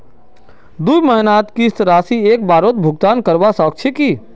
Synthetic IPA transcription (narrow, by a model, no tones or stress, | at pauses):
d̪uiməɦnaːt̪kist̪ɾaːsieːk̚baːɾoːt̪̚bʱʊɡt̪aːnkəɾbasɔk̚t͡ʃʰeki